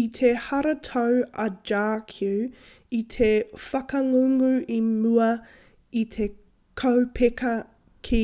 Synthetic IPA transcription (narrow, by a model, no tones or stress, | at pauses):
itʰehɐɾɐtʰowɐd͡ʒaːkʰu | it̪ʰefɐkɐŋuŋʉʔimuɐ | itʰe | kʰowpʰekɐ | kʰi